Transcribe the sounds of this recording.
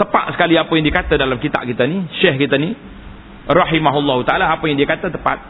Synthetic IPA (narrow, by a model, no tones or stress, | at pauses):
t̪əpa̰t̪̚sə̥kaliapəjaŋdiəkat̪adalamkit̪a̰ʔkit̪aniʃɛhkit̪ani | rɑɦimaɦulːɑɦut̪aʔalaːpəjaŋdiəkat̪at̪əpa̰t̪̚